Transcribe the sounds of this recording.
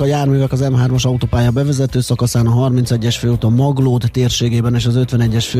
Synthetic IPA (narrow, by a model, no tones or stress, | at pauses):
ɒjaːrmyːvɛkɒzɛmɦaːrmɒʃɒut̪oːpaːjɒbɛvɛzɛt̪øːsɒkɒsaːnɒɦɒrmint̪sɛɟːɛʃfeːut̪ɒmɒɡloːd̪ːeːrʃeːɡeːbɛneːʃɒzø̞t̪vʋɛnɛɟːɛʃføː